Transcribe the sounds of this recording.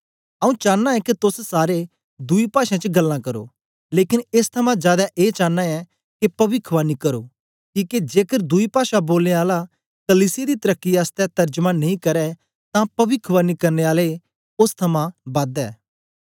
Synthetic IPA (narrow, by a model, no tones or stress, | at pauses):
ɐũt͡ʃãːnːaɛket̪ʊssaːɾe | d̪uipaːʃãt͡ʃəɡɐlːãkɐɾo̰ː | leːkɪnest̪ʰɐmãzjaːd̪aʔeːt͡ʃãːnːãɛ | kepɐʋɪkʰʋanikɐɾo̰ː | kiːked͡ʒeːkəɾd̪uipaːʃaboːlneaːla | kɐliːsɪjed̪it̪ɐɾəkːiaːst̪ɛt̪ɐɾd͡ʒmãnɐĩkɐɾɛ | t̪ãpɐʋɪkʰʋaːnikɐɾneaːle | ʊst̪ʰɐmãbɐ̃d̪ɛː